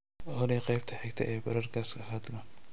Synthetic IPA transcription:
ɔɾiːqɛjb̚t̪ʰɐħɛɡt̪ʰɐ̰ʔɛːjbɐɾɐrkʰɐːskʰɐɦɐd̪lɐ

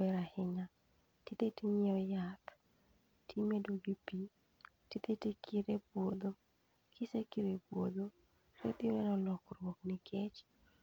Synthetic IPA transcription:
bɛɾahɪŋa | tit̪etiɲɛɔjat | tʰimedoɡipi | tit̪etekʰiɾepwod̪o | kʰɪsekiɾepwo̰d̪o | ɾḛt̪iɾɛnɔlɔkɾwoknɪkʰɛt͡ʃ

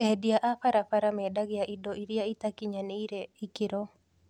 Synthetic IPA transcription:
ɛdjaʔapaɾapaɾamɛdaɡɪjaʔidoiɾiait̪akɪɲaneiɾeikɪɾɔ

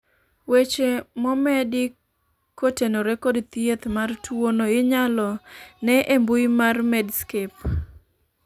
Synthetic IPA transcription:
wet͡ʃemɔmɛdɪ | kotenoɾekɔdt̪jet̪martwonoɪɲalɔnɛʔembʊimarmɛdskep

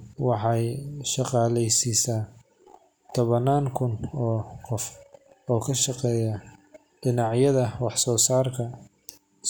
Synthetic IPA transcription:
wɑħɑjʃɑqɑːlɛjsiːsaː | t̪ʰɔβɐnaːŋkʰʊnɔːqɔfɔːkʰɐʃɑqɛːjɐ | ɖ̥ɪnɑʕjɐðɐwɑħsɔːsaːrkʰɐ

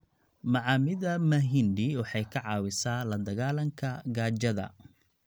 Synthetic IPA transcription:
mɑʕɑːmɪðɐmɐɦɪnd̪ɪwɑħɑjkʰɐʕɑːwɪsaːlɐd̪ɐɣaːlɐŋkʰɐɡaːt͡ʃɐðɐ̰

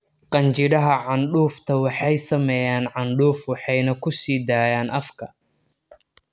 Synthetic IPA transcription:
qɑnt͡ʃɪɽɐɦɐʕɑnɖuːft̪ʰɐwɑħɑjsɐmɛjaːnʕɑnɖuːfwɑħɑjnɐkʰʊsiːd̪aːjaːnʔɐfkʰɐ

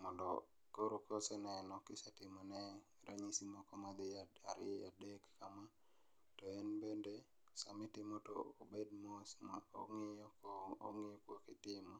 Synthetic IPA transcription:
mɔndɔ | koɾokosɛnaɛnɔkɪsatɪmɔnɛ | ɾʔa̰ɲisimɔkɔmad̪ɪa̰ɾɪ̰a̰dekːama | toenbende | samɪtɪmoto̰ːbed̚mosmao̰ŋeoko̰ŋɪjokokɪtɪmo

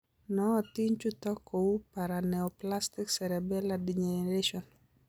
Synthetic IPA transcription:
nɔːtiɲt͡ʃut̪ɔkʰːɔupaɾanɛɔplastiksɛɾɛbɛladiɲeɾeʃɔn

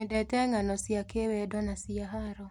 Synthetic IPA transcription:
ɪdɛtɛŋanɔsɪakewedɔnasɪjaɦaɾɔ

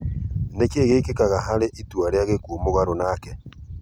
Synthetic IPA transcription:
nekeɣeikekaɣaɦaɾeʔituaɾeaɣekuomoɣaɾonaːkɛ

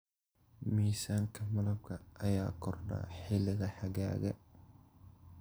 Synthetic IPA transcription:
miːsaːŋkʰɐmɐlɐb̚kʰɐʔɐjaːkʰɔrɗa̰ːħɪlɪɣɐħɐɣa̰ːɣɐ̰

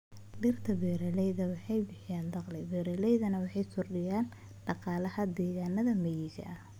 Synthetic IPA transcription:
ɖɪrt̪ʰɐbɛːɾɛlɛjðɐwɑħɑjbɪħɪjaːnd̪ɑqlɪbɛːɾɛlɛjðɐnɐwɑħɑjsʊrɖɪjaːn | ɖ̥ɑqɑːlɐhɐd̪ɛːɣaːnːɐðɐmɐjiːʃɐ̰ʔɐ

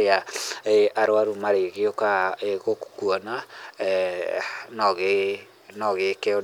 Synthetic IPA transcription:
eaeʔaɾowaɾumaɾeɣeokaeɣokkuɔna | nɔɣe | nɔɣekeo

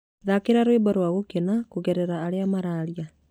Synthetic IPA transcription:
ðakeɾaɾwebaɾwaɣokenakoɣɛɾɛɾaːɾeamaɾaɾia

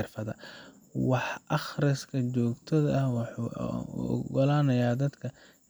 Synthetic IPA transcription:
rfɐðɐ̰ | wɑħʔɑχrɪskʰɐt͡ʃɔːɡt̪ʰɐðɐɐhw | ɡɔlaːnɐjaːd̪ɐd̪kʰɐ

